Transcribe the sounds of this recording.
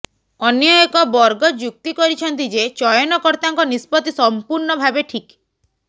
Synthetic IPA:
ɔnjɔekɔbɔɾɡɔd͡ʒuk̚t̪ikɔɾit͡ʃʰɔnt̪id͡ʒet͡ʃɔjɔnɔkɔɾt̪aŋkɔnispɔt̪isɔmpuɾɳɔbʱabeʈʰik

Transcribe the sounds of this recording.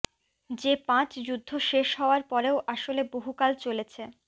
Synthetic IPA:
d͡ʑepãt͡ɕd͡ʑud̪ʱːoʃeʃɦɔoaɾpɔɾeoʔaʃoleboɦukalt͡ɕolet͡ɕʰe

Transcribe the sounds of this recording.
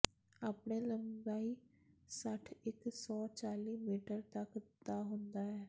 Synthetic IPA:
aːpɳeːləmbaːiː | səʈʰɪksɔːt͡ʃaːliːmiːʈəɾt̪əkd̪aːɦʊ̃nd̪aːɦɛː

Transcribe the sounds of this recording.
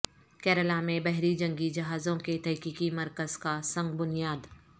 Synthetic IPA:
kɛːɾəlamẽbɛɦɾid͡ʒɐ̃ŋɡid͡ʒɐɦaːzõket̪ʰɛɦkiːkimɐɾkəz̥kasɐ̃ŋɡbʊnijaːd̪

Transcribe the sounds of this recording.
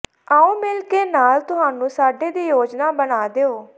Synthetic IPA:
aːũːmɪlkeːnaːlt̪ʊɦaːnũːsaːɖeːd̪iːjoːd͡ʒnaːbənaːd̪eːoː

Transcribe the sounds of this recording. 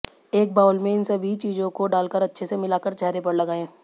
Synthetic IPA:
eːk̚baːʊlmẽɪnsɐbʱit͡ʃiːd͡ʒõkoɖaːlkəɾɐtːʃʰesemɪlaːkəɾt͡ʃɛɦɾepɐɽlɐɡaːẽː

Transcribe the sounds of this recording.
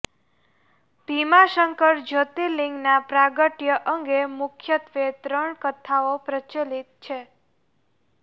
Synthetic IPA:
bʱimaʃəŋkəɾd͡ʒʱət̪iliŋɡnapɾaɡəʈjəʔəŋɡemʊkʰjət̪ʋet̪ɾəɳkət̪ʰːaopɾət͡ʃelit̪̚t͡ʃʰe

